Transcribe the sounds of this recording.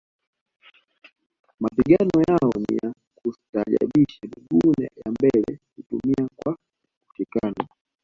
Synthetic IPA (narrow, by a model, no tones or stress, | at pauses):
mapiɡanɔjaɔnija | kutaʄa̰ɓiʃamiɡunɛ̰jambɛlɛkutumiakwa | uʃikanɔ